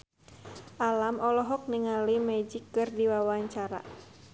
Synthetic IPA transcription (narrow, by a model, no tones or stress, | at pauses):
ʔalamɔlɔɦɔk̚niŋalimɛd͡ʒikːɨrdiwawaɲt͡ʃaɾa̰